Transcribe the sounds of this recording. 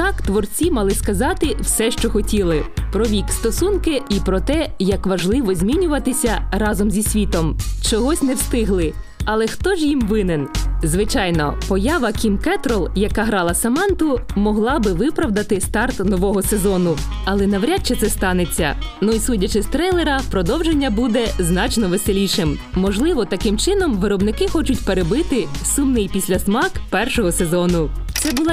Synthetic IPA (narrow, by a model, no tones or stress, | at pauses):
t̪ɑkt̪ʋɔrt͡sʲimɑlˠɪskɐzɑt̪ɪwsɛʃt͡ʃɔxɔtʲilˠɪpɾɔʋʲikst̪ɔsunkɪipɾɔt̪ɛjɐkʋɐʒlˠɪʋɔzʲmʲinʲʊʋɐt̪ɪsʲɐrɑzɔmzʲisʲʋʲit̪ɔmt͡ʃɔɦɔsʲnɛwst̪ɪɦlˠɪ | ɐlˠɛxt̪ɔʒjimʋɪnɪnzʋɪt͡ʃɑjnɔ̰pɔjɑʋɐkʲimkɛt̪ɾɔlˠjɐkaɦɾɑlˠɐsɐmɑnt̪ʊmɔɦlˠɑbɪʋɪpɾɐʋd̪ɐt̪ɪst̪ɑrt̪nɔʋɔɦɔsezɔnʊ | ɐlˠɛnɐʋɾʲat͡ʃɛt̪sɛst̪ɑnet͡sʲːɐ̰nuisudʲɐt͡ʃɪst̪ɾɛjlˠeɾɐpɾɔd̪ɔwʒenʲːɐbud̪ɛznɑt͡ʃnɔʋeselʲiʃɪm | mɔʒlˠɪʋɔt̪ɐkɪmt͡ʃɪnɔmʋɪɾɔbnɪkɪxɔt͡ʃʊtʲpeɾebɪt̪ɪsumnɪjpʲisʲlʲɐsmɑkpɛrʃɔɦɔsezɔnʊt̪sɛbʊlˠ